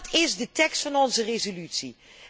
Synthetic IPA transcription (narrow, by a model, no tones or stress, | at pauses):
tɪzdətɛkstfɑnɔnzərezolytsi